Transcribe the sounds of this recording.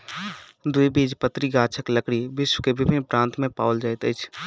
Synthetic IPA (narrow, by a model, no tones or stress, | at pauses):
d̪ʊibiːd͡ʒpət̪ɾiɡaːt͡ʃʰəkləkɽiʋɪʃwkeʋɪbɪnpɾãːnt̪mẽpaːʊld͡ʒajt̪ət͡ʃʰ